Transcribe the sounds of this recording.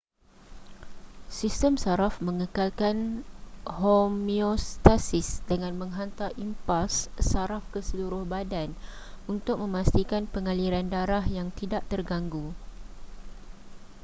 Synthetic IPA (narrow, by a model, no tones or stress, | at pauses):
sist̪əmsaɾafmə̃ŋəkalkan | homiost̪asisdəŋãnmə̃ŋɦant̪arʔimpasːaɾafkəsəluɾʊhbadan | unt̪ʊk̚mə̃mãst̪ikanpəŋaliɾandaɾahjaŋt̪idaʔt̪ərɡaŋɡu